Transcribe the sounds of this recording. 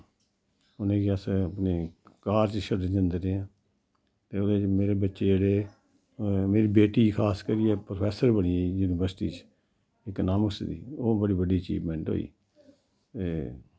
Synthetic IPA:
ʊnẽːkiəsəpneːkaːɾt͡ʃʃəɖd͡ʒə̃nd̪eːɾeːãː | t̪eːonẽːmeːɾeːbətːʃeːd͡ʒeːɽeː | meːɾiːbeːʈiːkʰaːskəɾiːɛːpɾopʰɛːsəɾbəɽijuːnibəɾsʈḭːt͡ʃ | ɪknaːmʊsd̪ḭːoːbəɽiːbəɖiːət͡ʃḭːʋmɛ̃ɳʈɦo̰ːḭː | t̪eː

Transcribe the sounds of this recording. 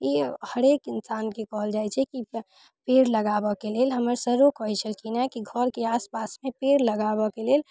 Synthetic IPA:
jehəɾekinsankekɔɦəld͡ʒajt͡ʃʰɛki | peɾləɡabəkelelɦəməɾsəɾokɔɦit͡ʃʰəlkinakiɡʱəɾkeaspasmẽpeɾləɡabɔkelel

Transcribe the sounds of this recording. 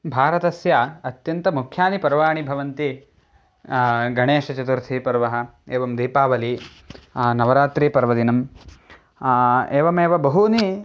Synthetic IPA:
bʱaːɾɐt̪ɐsjaɐt̪jɐnt̪ɐmukʰjaːnipɐɾʋaːɳibʱɐʋɐnt̪i | ɡʱɐɳeːʃɐt͡ʃɐt̪uɾt̪ʰiːpɐɾʋɐɦɐ̆eːʋɐmd̪iːpaːʋɐli | nɐʋɐɾaːt̪ɾiːpɐɾʋɐd̪inɐm | eːʋɐmeːʋɐbɐɦuni

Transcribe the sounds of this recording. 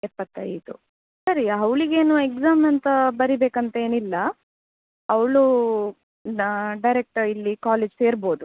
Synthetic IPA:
ɛpːɐt̪ːɐ̰jt̪u | sɐɾiɐʋɭiɡe̞ːnuekzaːmɐnt̪ɐbɐɾibeːkɐnt̪ɐe̞ːnilːɐ | ɐwɭu | ɖɐjɾek̚ʈɐilːikaːleːd͡ʒse̞ːɾbo̞ːd̪u

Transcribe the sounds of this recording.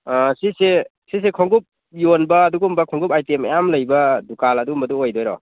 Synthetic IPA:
sise | sis̬ekʰɔŋɡup̚ | jonbɐːduɡumbɐkʰɔŋɡupajtemḛjamlɐjbɐdukalɐduumbɐduojdojɾɔ̰

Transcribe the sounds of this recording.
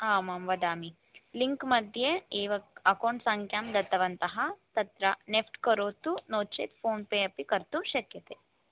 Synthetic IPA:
aːmamʋɐd̪aːmi | liŋkmɐd̪ʱjeeːʋɐɐkoɳʈsɐŋkʰjaːmd̪ɐt̪ːɐʋɐnt̪ɐɦɐt̪ɐt̪ɾɐnefʈkɐɾoːt̪unoːt͡ʃḛt̪foːnpejɐpikɐɾt̪uʃɐkjɐt̪eː

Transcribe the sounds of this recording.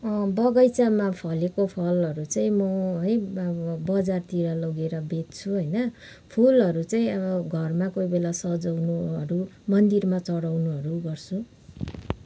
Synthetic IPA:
bʌɡʌjt͡samapʰʌlekopʰʌlʌɾut͡saĩmʌɦʌjbʌd͡zart̪iɾalʌɡeɾʌbet̪̚t͡sʰuɦʌjnʌ | pʰulʌɾut͡saĩʌbʌɡʱʌrmakojbelasʌd͡zʌwnuɦʌɾumʌnd̪irmat͡sʌɽawnuɦʌɾuɡʌrt͡sʰu

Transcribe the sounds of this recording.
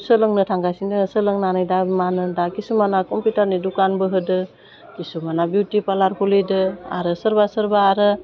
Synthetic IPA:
sɯlɯŋnɯtʰaŋɡajsiŋdɯsəlɯŋnanajdamanɯdakisumanakɔmpjutaɾnidukanbɯɦɯdɯ | kisumanabutipalaɾhulidɯa̰ɾɯsəɾbasəɾbaːɾɯ

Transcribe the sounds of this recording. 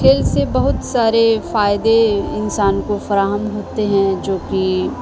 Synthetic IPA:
kʰeːlsebɐɦʊt̪saːɾefaːɪd̪eɪnsaːnkofɐɾaːɦəmɦoːt̪eɦɛ̃d͡ʒoːki

